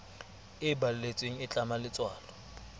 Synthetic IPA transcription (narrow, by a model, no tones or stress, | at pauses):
ɪbalʊlet͡sʼweŋ̩ɪt͡ɬʼamalɪt͡sʼwaːlɔ